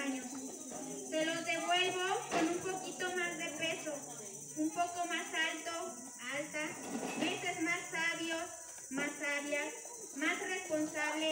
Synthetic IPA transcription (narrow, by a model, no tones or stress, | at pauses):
aɲos | peɾo̞ðe̞βwe̞lβokonumpo̞kit̪omazðe̞pe̞so | umpo̞ko̞masalt̪o̞ | alt̪aβesezmasːaβjo | masaβja | masre̞spo̞nsaβle